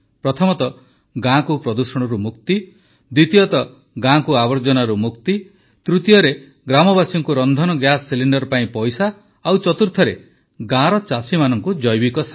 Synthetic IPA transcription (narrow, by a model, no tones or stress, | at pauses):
pɾɔt̪ʰɔmɔt̪ɔ | ɡãkupɾɔd̪usɔɽ̃ɔɾumuk̚t̪i | d̪wit̪ijɔt̪ɔ | ɡãkuabɔɾd͡ʒɔnaɾumukt̪i | t̪ɾut̪ijɔɾe | ɡɾamɔbasiŋkuɾɔnd̪ʱɔnɔɡjasːiliɳɖɔɾpaĩpɔjsaː | wt͡ʃɔt̪uɾt̪ʰɔɾe | ɡãɾɔt͡ʃasimanɔŋkud͡ʒɔjbikɔsa